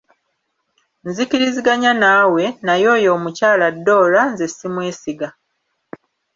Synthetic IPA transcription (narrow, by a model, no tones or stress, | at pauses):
nzikiɾiziɡaɲanaːwe̞najo̞ːjo̞ːmucaːladːo̞ːlanzesimwe̞ːsiɡa